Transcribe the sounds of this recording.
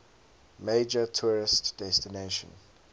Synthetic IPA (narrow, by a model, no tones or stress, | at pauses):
meɪd͡ʒətʰɔɹɪstd̥ɛstineʃə̰̃n